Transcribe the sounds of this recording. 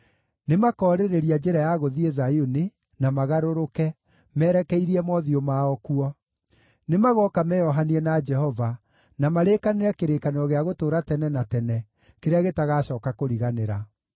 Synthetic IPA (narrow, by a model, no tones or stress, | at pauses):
nemakɔːɾeɾeɾiad͡ʒeɾajaɣoðiezajone | namaɣaɾoɾokɛ | mɛːɾɛkɛiɾiɛmɔðiomaɔkuɔ | nemaɣɔkamɛjɔɦaniɛnad͡ʒɛhɔva | namaɾekaneɾɛkeɾekaneɾɔɣeaɣotoːɾatɛnɛnatɛnɛ | keɾeaɣetaɣaːɕɔːkakoɾiɣaneɾa